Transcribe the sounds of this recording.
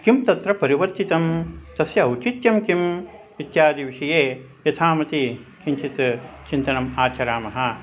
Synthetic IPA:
kimt̪ɐt̪ɾɐpɐɾiʋɐɾt̪it̪ɐmt̪ɐsjɐɐwt͡ʃit̪jɐmkim | it̪jaːd̪iʋiʂɐjeː | jɐt̪ʰaːmɐt̪ikiɲt͡ʃit̪t͡ʃint̪ɐnɐmaːt͡ʃɐɾaːmɐɦɐ̆

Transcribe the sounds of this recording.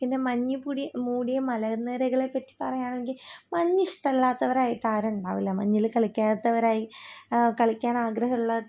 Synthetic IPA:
inːemɐɲːupuɽijmuːɽijɐmɐlɐneːɾeɣɐɭe̞pːɐtːi̥pɐrɐjaːɳeŋɡilmɐɲːiʂʈɐlːaːt̪ːɐʋɐɾaːjiʈːɨaːɾuɳɖaːʋilːɐmɐ̰ɲːilkɐɭikʲːaːt̪ːɐʋɐɾaːjikɐɭikʲːaːnaːɡɾɐɦɐuɭːɐ

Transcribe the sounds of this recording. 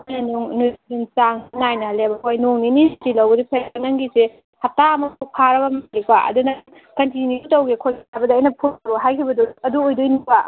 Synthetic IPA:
anuŋnuint͡ʃaŋnajnɐlebɐkʰojnoŋninitilɐwbɐdupʰeɾnɐŋɡise | hɐp̚taɐmɐupʰaɾɐbɐmalikaʔɐ̰dunɐ | kɐntinjutɐwɡikʰojajbɐdiɐjnɐpʰuɡuɦajkʰibɐduɐduojdojnika

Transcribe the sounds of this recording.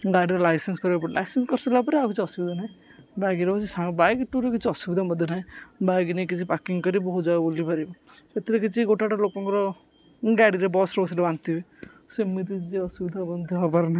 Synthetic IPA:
ɡajɖɾɔlajsenskɔɾibapɔɾla̰jsenskɔɾsilapɔɾiakit͡ʃʰiɔsubid̪ʱanaĩbajɡiɾepɔt͡ʃʰisãŋbajkʈuɾekit͡ʃʰiɔsubid̪ʱamɔd̪ʱjɔnaĩbajɡinekit͡ʃʰipakiŋkɔɾibɔɦud͡ʒabulipaɾibɔ | et̪iɾekit͡ʃʰiɡoʈaʈalokɔ̃ŋkɔɾɔ | ɡaɽiɾebɔsɾɔbɔsilebant̪ib | simit̪̬it͡ʃiɔsubid̪ʱabɔnd̪ʱɦɔbɔɾnai

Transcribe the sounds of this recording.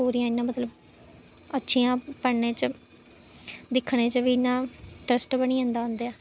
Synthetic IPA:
oːɾijãːɪnːãːmət̪ləb | ətːʃʰijãːpənẽːt͡ʃ | d̪ɪkʰːɳẽːt͡ʃʋiːɪnːãːʈɾəsʈbəɽ̃iːãːnd̪aːɦõːnd̪eːaː

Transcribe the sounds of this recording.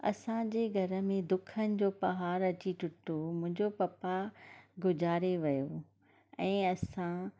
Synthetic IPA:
ɐ̰sãd͡ʑeːɡʱɐɾə̆mẽd̪ʊkʰənɪ̆d͡ʑoːpɐɦaːɾɐt͡ɕiʈʊʈomʊ̃ɦɪ̃ɲd͡ʑopɐpaɡʊd͡ʑaːɾeʋɐjo | ɛ̃ːɐsã

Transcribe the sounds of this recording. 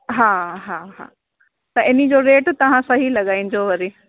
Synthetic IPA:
ɦaːɦaɦã̰ː | t̪ɐʔɪnid͡ʑoɾeːʈt̪ɐʋ̤ãsɐɦilɐɠaːĩn̆d͡ʑoʋɐɾi

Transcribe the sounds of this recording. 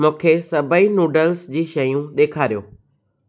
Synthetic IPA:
mʊ̃ːkʰesɐbʱəinuːɖəlsd͡ʑiːʃɐjũɗeːkʰaːɾijoː

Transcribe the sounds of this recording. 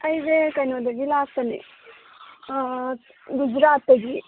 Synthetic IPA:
ɐjʋekɐnod̪eʋilaːsɐnḛ | ɡud͡ʒɾaːt̪ɐɡi

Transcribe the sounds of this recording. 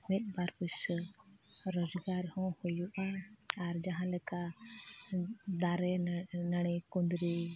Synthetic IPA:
mɛt̪̚ˀbaɾpus | ɾɔd͡ʒɡaɾhɔ̃hujuʔaːɾd͡ʒaɦãlɛka | d̪aɾɛnaɽ̃ɛkund̪ɾi

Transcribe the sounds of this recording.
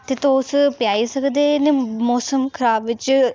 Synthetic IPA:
t̪et̪õʊspjaːisəkd̪enemɔːsəmkʰəɾaːbʋɪt͡ʃ

